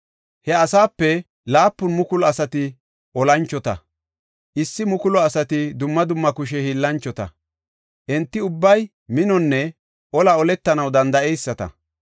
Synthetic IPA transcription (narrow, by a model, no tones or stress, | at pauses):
hɛɐsaːpːɛ | laːpːʊnmʊkʊlɔɐsɐt̪ɪ | ʔɔlɐnt͡ʃːɔt̪ɐ̰ | ʔɪsːɪmʊkʊlɔɐsɐt̪ɪd̪ʊmːɐd̪ʊmːɐkʊʃ̬ɛhiːlːɐnt͡ʃːɔt̪ɐ̰ | ʔɛnt̪ːɪʊbːɐj | mɪnɔnːɛ | ʔɔlɐɔlɛt̪ːɐnɐwd̪ɐnd̪ɐɛjsːɐt̪ɐ̰